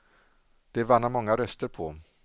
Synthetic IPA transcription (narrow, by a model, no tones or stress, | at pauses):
d̪̥ɛvanːamɔŋːaɾœst̪əɾpʰɔ